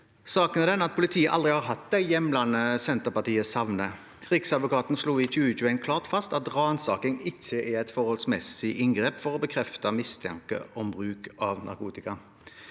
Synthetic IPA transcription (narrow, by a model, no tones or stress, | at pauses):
sɑːkənɛd̪ɛnɑt̪̚pʰʊlɪt̪ʰiːəʔɑ̰ld̪ʁɪhɑʁɦɑt̪̚d̪ɛɪjɛmlɑnəsɛnt̪əʁpɑʁt̪ʰiːəsɑʋnə | kʰʁɪksɑd̪ʋʊkɑːt̪n̩sluːiçʉːəc͡çʉːɛnkʰlɑːʁt̪fɑst̪ɑt̪ʁɑːnsɑːkɪŋɪçːəʔɛʁɛt̪fɔʁhɔlsmɛsɪʔɪŋɡʁeːpfɔʁɔbəkʰʁɛft̪ɑmɪst̪ʰɛ̰ŋkə̰ʔɔmbʁʉːkɑʋnʔɑ̰ʁkuːt̪ɪkɑ